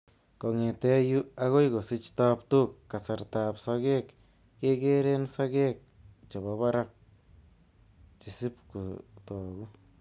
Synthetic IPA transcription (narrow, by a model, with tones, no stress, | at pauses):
ko˨ŋe˨t̪ɛ˦ju˦a˦ɣo˦jɡo˨si˦t͡ʃt̪a˧pt̪u˦kːa˨sa˨ɾt̪a˨psa˧ɣe˦k | ke˦ɡe˦ɾe˦nsa˦ɡe˦k̚ | t͡ʃa˨ba˨ba˦ɾa˦k̚ | t͡ʃi˨si˦pku˨t̪o˨ɡu˦